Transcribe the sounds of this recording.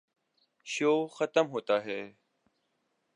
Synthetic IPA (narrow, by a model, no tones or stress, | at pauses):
ʃoːxət̪əmɦoːt̪aːɦɛː